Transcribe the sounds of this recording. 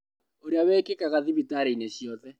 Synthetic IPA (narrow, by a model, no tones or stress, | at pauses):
oɾeaβɛːkekaɣaðiβitaɾeineɕjɔðɛ